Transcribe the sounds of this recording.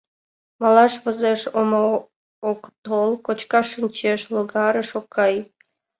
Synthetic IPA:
mɑlɑʃβəzeʃomo | okt̪olˠkot͡ɕkɑʃənʲt͡ɕeʃloɡɑɾəʃokʰːɑj

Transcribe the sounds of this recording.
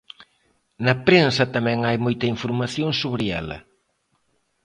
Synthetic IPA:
nɐpɾensɐt̪ɐmɛ̃ŋajmojt̪ɐiɱfoɾmaθjõŋsoβɾɪɛ̰lɐ̰

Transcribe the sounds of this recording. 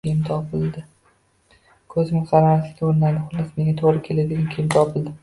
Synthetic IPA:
kʲejɪmt̪ʰɒpʰɪld̪ɪ | kʰɵznɪŋqʰɑɾamasɪkʲt̪ʲoɾɪnad̪ɪχʊlˠːɪsnɪŋʲɡʲat̪ʰoɾɪkʲʰelɪd̪ɪd̪ʲankʰʲejɪmt̪ʰɒpʰɪld̪ɪ

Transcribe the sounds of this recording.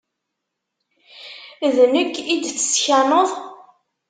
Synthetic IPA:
ðnəkːid̪θə̥sçænəðˤ

